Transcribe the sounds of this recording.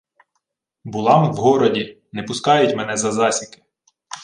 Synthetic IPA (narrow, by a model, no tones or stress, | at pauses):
bʊlˠɑmwɦɔɾɔdʲi | nɛpʊskɑjʊtʲmɛnɛzɐzɑsʲikɪ̥